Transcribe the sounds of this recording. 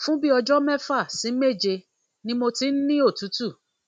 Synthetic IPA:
fũ˦bi˦ɔ˧d͡ʒɔ˦mɛ˦fa˦˨sĩ˨˦me˦˨d͡ʒe˧ | nĩ˦mo˧ti˦n̩˦nĩ˦o˦˨tu˨˦tu˦˨

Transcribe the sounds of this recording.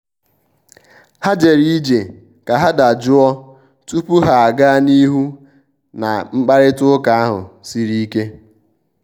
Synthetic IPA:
ha˦d͡ʒe˨ɾi˦i˦d͡ʒe˨ | ka˨ɦa˦da˨d͡ʒʊ˦ɔ˦ | tu˦pu˦ɦa˨a˨ɡa˦ni˦ɦu˦ | na̰˨ŋ͡m̩˦k͡pa˦ɾɪ˦tʊ˦ka˨˦a˦ɦʊ̰˨si˦ɾi˦ke˦

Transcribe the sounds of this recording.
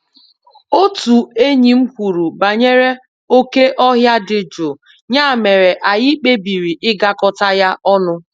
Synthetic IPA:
o˦tu˨e˦ɲi˨m̩˦kʷu˨ɾu˨ba˨ɲe˦ɾe˦ | o˦ke˦ʔɔ˦ɦja˦dɪ˨d͡ʒo˨ | ɲa˦˨me˨ɾe˨ʔa˨jɪ˦k͡pe˦bi˨ɾi˨ʔɪ˦ɡa˦kɔ˨ta˦ja˦ʔɔ˦nʊ˦

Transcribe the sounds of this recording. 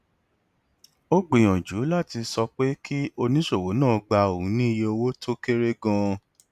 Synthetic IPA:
o˦ɡ͡be˨j̃ɔ̃˨d͡ʒu˨˦la˦˨ti˧sɔ˧k͡pe˦ki˦o˧nĩ˦ʃo˦˨wo˨˦nãː˦˨˧ɡ͡ba˧o˨ũ˨˦nĩ˦i˦je˧o˧wo˦tʰo˦ke˦ɾe˦ɡã˧

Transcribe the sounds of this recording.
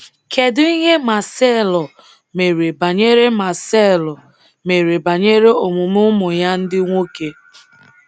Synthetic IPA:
kʰe˨dʊ˦i˦ɦe˦ma˨sɛ˦˨lɔ˨ | me˨ɾe˨ba˨ɲe˦ɾe˦ma˨sɛ˦˨lɔ˨ | me˨ɾe˨ba˨ɲe˦ɾe˦o˨mʊ˨mʊ˦mʊ˨ja˦n̩˦dɪ˦ŋʷo˦ke˦

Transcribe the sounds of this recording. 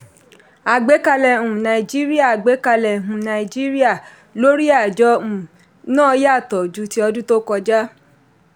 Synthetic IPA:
a˨ɡ͡be˨˦ka˧lɛ˨ũ˨nã˨i˨d͡ʒi˦ɾi˦a˦˨a˨ɡ͡be˨˦ka˧lɛ˨ɦũ˨nã˨˧i˨d͡ʒi˦ɾi˦a˦˨ | lo˦ɾi˦a˦˨d͡ʒɔ˨˦ũ˨ | nãː˦˨˦ja˦˨tɔ˨d͡ʒu˨˦ti˧˦ɔ˧dũ˦to˦kɔ˧d͡ʒa˦

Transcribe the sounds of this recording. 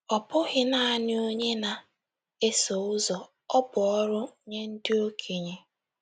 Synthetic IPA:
ɔ˨pʊ˦ɣɪ˨na˨a˨n˦o˦ɲe˦na˨ | e˦so˨ʊ˦zɔ˨ | ɔ˦bʊ˨ɔ˦ɾʊ˦ɲe˦n̩˦dɪ˦o˦kʰe˨ɲe˨

